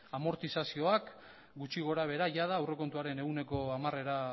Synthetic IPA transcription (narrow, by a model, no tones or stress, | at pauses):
amo̞ɾt̪isasio̞ak | ɡut͡ʃiɣ̞o̞ɾaβ̞e̞ɾaʝað̞aːwre̞ko̞nt̪uaɾe̞ne̞ɣune̞ko̞amare̞ɾa